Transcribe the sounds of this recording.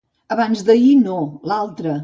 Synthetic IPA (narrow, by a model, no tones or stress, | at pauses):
əβanzðəinolalˠt̪ɾə